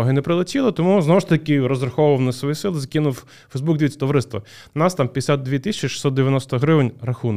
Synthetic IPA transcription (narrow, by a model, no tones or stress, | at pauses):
ɔɦɪnɛpɾɪlˠɐtʲilˠɪt̪ɔmuznɔʋʊʃt̪ɐkʲɪɾɔzrɐxɔwʊʋɐwnɐsʋɔjisɪlˠɪzɐkʲinʊw | fɐjzbuɡd̪ʲijt̪ʲɐ̥t̪ɔʋɾɪst̪ʋɐ̰ | nɑst̪ɑmpʲjd̪ʲesʲat̪̚d̪ʋʲit̪ɪsʲt͡ʃiʃɪ̥sɔt̪d̪eʋʲjɐnɔst̪ɔɦɾɪʋnʲrɐxun